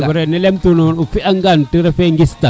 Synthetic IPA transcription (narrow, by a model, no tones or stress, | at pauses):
ɔɾɛnɛlɛmt̪unɔnufiʔaŋɡantiɾɛfɛŋɡist̪a